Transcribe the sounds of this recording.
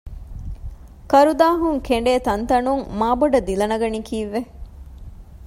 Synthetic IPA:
kɐɾud̪aːɦuŋkeɳ̆ɖeːt̪ɐnt̪ɐnuŋmaːboɖɐd̪ilɐnɐɡɐnikʰiːʋːe

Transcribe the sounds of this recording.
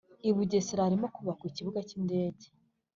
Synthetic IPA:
iβuɟesiɾaɾimokuβakwiciβuɡacinde̞ːɟe

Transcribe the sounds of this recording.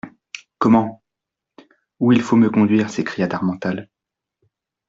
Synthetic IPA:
kɔmɑ̃ | uilfoməkɔ̃d̪ɥiːʁsekχijat̪aʁmɑ̃t̪al

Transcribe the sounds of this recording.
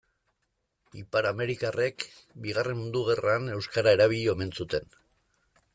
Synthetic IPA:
ipaɾame̞ɾikarekbiɣ̞are̞nmund̪uɣ̞e̞rane̞wskaɾae̞ɾaβ̞iʎo̞me̞nsut̪e̞n

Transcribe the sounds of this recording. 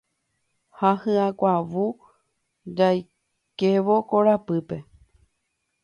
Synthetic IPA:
hahɨãkʷaʋu | d͡ʒaj | ke̞ʋo̞koɾapɨpe̞

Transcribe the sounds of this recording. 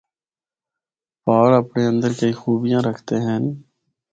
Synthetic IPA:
paːɽəpɳeːə̃nd̪əɾkəiːxuːbɪjãːɾəkʰt̪eːɦən

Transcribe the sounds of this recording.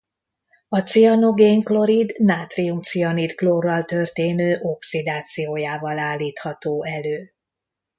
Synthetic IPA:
ɒt̪siɒno̞ɡeːŋklo̞ɾid̪naːt̪riumt̪siɒnid̪ɡloːrːɒlt̪ørt̪eːnøːʔo̞ksid̪aːt̪sijoːjaːvɒlaːlːiːt̪hɒt̪oːɛløː

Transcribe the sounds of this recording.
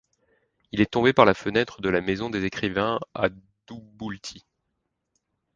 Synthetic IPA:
ilɛt̪ɔ̃bepaʁlafənɛt̪χəd̪əlamezɔ̃d̪ezekχivɛ̃a̰ | d̪̥ubult̪ʰi

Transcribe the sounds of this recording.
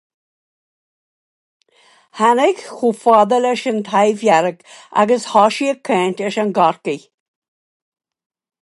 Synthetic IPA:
hanɪɡxufɔd̪ələʃənt̪ʰajvjaɾəɡa̰ɡəshɔʃiəkʰːɛːntəʃənɡaɹki

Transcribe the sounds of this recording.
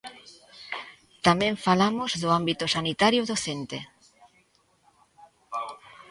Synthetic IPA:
t̪amɛẽɱfalamʊzðʊambit̪ʊsanit̪aɾjʊðoθent̪e

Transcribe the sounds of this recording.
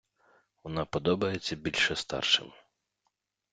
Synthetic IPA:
ʋɔnɑpɔd̪ɔbɐjet͡sʲːɐbʲilʲʃɛst̪ɑ̰rʃɪ̰mɪ

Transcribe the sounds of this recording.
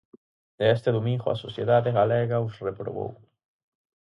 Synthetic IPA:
d̪eɛst̪eðomĩŋɡoa̰soθjeðaðeɣaleɣausrepɾo̰βo̰w

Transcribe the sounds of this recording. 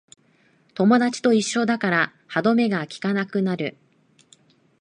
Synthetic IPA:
t̪o̞mo̞d̪at͡ɕi̥t̪o̞iɕːo̞d̪akaɾa | had̪o̞me̞ɡakʲi̥kanakɯ̟naɾɯ̟

